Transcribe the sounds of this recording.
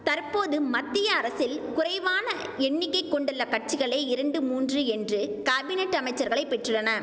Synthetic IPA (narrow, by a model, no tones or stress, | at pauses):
t̪ɐɾpoːðɯmɐt̪ːɪjɐːɾɐsɪlkʊrɐɪʋaːnɐ | ɛɳːɪkːɐɪkːɔɳɖɯɭːɐkɐʈ̚t͡ʃɪɣɐɭeːɪɾɐɳɖɯmuːndrɯɛndrɯkaːbɪnɛʈːɐmɐɪt͡ʃːɐɾɣɐɭɐɪpːɛʈrɯɭːɐnɐ